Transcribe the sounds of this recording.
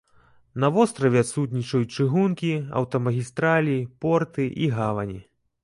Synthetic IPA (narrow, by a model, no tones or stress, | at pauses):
nɐvɔst̪ɾɐvʲɛat̪sut̪nʲit͡ʂɐjut͡ʂɨɣunkʲiɐ̰wt̪ɐmɐɣʲist̪ɾalʲipɔrt̪ɨʔiɣavɐnʲi